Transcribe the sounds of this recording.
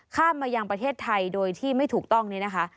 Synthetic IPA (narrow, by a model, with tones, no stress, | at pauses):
kʰaː˥˩mːaː˧ja˧ŋpɾa˧t̪ʰeː˥˩t̪ʰːa˧jdoː˧jt̪ʰiː˥˩ma˥˩jt̪ʰuː˨˩k̚t̪ɔ˥˩ŋniː˦˥˩na˦˥kʰa˦˥ʔ